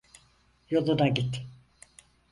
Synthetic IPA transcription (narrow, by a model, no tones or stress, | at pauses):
jo̞lˠunaɟit̪